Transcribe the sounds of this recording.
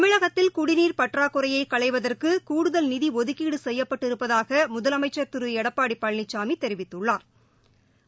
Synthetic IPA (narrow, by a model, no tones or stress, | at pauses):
t̪ɐmɪɻɐɣɐt̪ːɪlkʊɽɪniːɾpɐʈraːkʊɾɐjɐɪkɐɭɐɪʋɐðɐrkɯkuːɽɯðɐlnɪðiɔðɯkːiːɽɯsɛjːɐpːɐʈːɪɾɯpːɐðaːɣɐmʊðɐlɐmɐɪt͡ʃːɐɾt̪ɯɾɯɛɽɐpːaːɽipːɐɭnɪt͡ʃːaːmit̪ːɛɾɪʋɪt̪ːɯɭːaːɾ